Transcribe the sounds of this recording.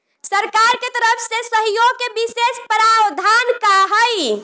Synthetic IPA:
səɾkaɾket̪əɾəpʰsesəɦjoɡ̚kebisespɾawd̪ʱankaɦəj

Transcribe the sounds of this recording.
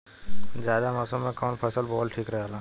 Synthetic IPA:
zjaːd̪amɔːsəmːẽkɔːnpʰɐsəlbɔːlʈʰiːkɾɐɦealãː

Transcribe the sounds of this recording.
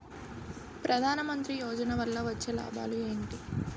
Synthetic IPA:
pɾʔɐd̪ʱaːnɐmɐnt̪ɾijɔːd͡ʒɐnɐʋɐlːɐʋɐt͡ʃːeːla̰ːba̰ːlue̞ːɳʈi

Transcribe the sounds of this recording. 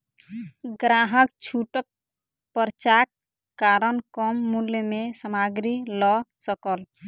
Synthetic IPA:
ɡɾaːɦəkt͡ʃʰuʈək̚ | pəɾt͡ʃakː | aːɾənkɔmːulmẽsəmaːɡɾilɔsəkəl

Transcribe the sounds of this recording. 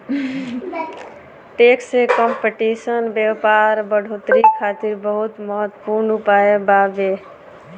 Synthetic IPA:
ʈeksekɔmpeʈisənbjepaɾbəɽʱot̪ɾikʰːat̪iɾbəɦut̪məɦət̪ːə̥puɾnupaebabe

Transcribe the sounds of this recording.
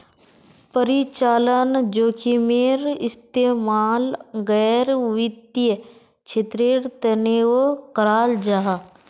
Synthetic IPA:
pəɾit͡ʃaːlənd͡ʒoːkʰimeɾɪst̪eːmaːlɡɛːɾʋɪd̪jə | t͡ʃʰet̪ɾeɾt̪ənewokəɾaːld͡ʒaɦa

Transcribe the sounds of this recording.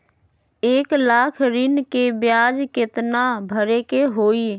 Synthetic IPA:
eːklakʰɾɪnkebjad͡ʒket̪nabʱəɾekeɦoi

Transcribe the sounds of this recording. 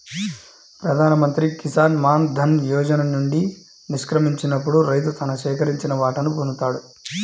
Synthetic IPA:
pɾɐd̪ʱaːnɐmɐnt̪ɾikisaːnmaːnd̪ʱɐnjɔːd͡ʒɐnɐnuɳɖi | niʂkɾɐmiɲt͡ʃinɐpːuɽuɾɐjt̪̬ut̪ɐnɐʃɛːkɐɾiɲt͡ʃinɐʋaːʈɐnupund̪ut̪aːɽu

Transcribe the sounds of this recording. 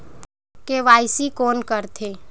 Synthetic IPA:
keʋaːɪsikoːnkəɾt̪ʰeː

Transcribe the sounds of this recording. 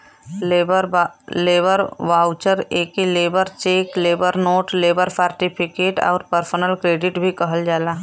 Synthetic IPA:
ləɾleːbəɾʋaːʊt͡ʃəɾeːkileːbəɾt͡ʃeːkleːbəɾnoːʈleːbəɾsaːɾʈɪpʰɪkeːʈɔ̰ːɾpəɾsənəlkɾeːɖɪʈbʱikəɦəld͡ʒaːlaː

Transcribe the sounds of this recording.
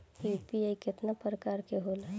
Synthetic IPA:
ipiaikɪt̪napɾəkaːɾkeɦola

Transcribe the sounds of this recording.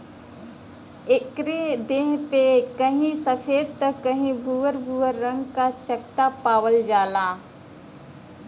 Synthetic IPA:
ekɾed̪eɦpekəɦĩsəfʰeːɽt̪əkːəɦĩbʱuʋəɾbʱuːəɾːə̃ŋɡkat͡ʃəkt̪apaːʋəld͡ʒaːlaː

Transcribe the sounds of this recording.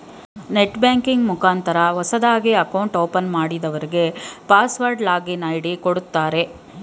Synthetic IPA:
neʈbjaːŋkiŋɡmukaːnt̪ɐɾɐʋɐsɐd̪aːɡiɐkɐwɳʈoːpɐnmaːɽid̪ɐʋɐɾiɡe̞paːsʋɐɾɖlaːɡinaːjɽikoɽut̪ːaːɾe̞

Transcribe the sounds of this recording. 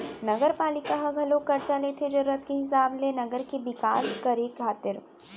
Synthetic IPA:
nɐɡəɾpaːlɪkaɦɐɡʱɐlõkɐɾt͡ʃalet̪ʰed͡ʒɐɾuːɾət̪keɦɪs̬aːblenɐɡəɾkebɪkaːʃkɐɾeːkɡʰʱaːt̪ɪɾ

